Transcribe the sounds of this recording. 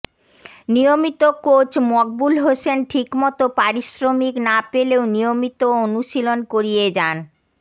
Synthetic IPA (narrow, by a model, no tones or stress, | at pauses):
nijomit̪okot͡ɕmɔɡ̚bulɦosenʈʰikmɔt̪opaɾiʃɾomiknapeleonijomit̪oonuʃilonkoɾijed͡ʑan